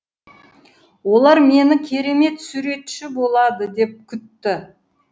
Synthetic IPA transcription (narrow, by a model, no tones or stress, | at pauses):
wo̞lˠɑɾme̞nɪkʲʰe̞ɾe̞me̞t̪suɾe̞t̪ʃɪbo̞lˠɑd̪əd̪e̞p̚kʲʰʏt̪ːɪ